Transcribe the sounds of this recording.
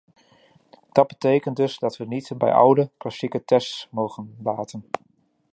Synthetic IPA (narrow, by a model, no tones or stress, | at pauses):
d̥ɑd̚bətejkənt̚dɵsdɑtʋənitbɛ̰jʔɔ̰wdəklɑsikətɛstsmowχənlaːtən